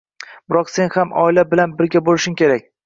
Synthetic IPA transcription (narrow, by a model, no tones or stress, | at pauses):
b̥ɪɾɒqse̞nhamʔɒ̰ɪlabɪlanbɪɾɡʲabolɪʃɪmkʲʰe̞ɾak̚ʲ